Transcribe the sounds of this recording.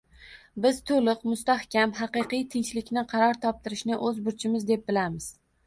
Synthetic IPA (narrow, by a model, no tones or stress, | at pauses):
bɪzt̪ʰolɪqmʊst̪ahkʲʰamɦɑqɨqɨjt̪ʰɪnt͡ʃlɪkʲnɪqʰɑɾɒɾt̪ʰɒp̚t̪ʰɪɾɪʃnɪʔɵzbʊɾt͡ʃʰɪmɪzd̪e̞p̚bɪlamɪz̥